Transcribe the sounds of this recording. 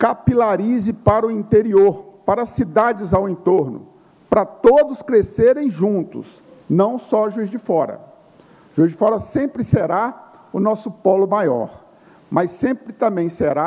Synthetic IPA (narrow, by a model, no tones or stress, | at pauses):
kapilaɾizɪpaɾʊĩnt̪eɾioɾpaɾɐːsid̪ad͡ʒɪzawẽnt̪oɾnʊ̰ | pɾɐt̪od̪ʊskɾeseɾẽj̃ʒũnt̪ʊ̰s | nɐ̃w̃sɔʒuizd͡ʒɪfɔɾɐ̰ | ʒuzd͡ʒɪfɔɾɐsẽmpɾɪseɾa | ʊnɔsʊpɔlʊmajɔ̰ɾ | masẽpɾɪt̪ɐ̃mbẽj̃seɾa